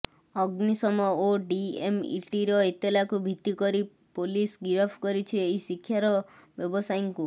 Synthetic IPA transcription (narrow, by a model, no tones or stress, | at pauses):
ɔɡnisɔmɔoɖiemḭʈiɾɔet̪jɔlakubʱit̪ːikɔɾi | polisɡiɾɔpʰkɔɾit͡ʃʰieɦisikʰːjaɾɔbjɔbɔsajɔŋku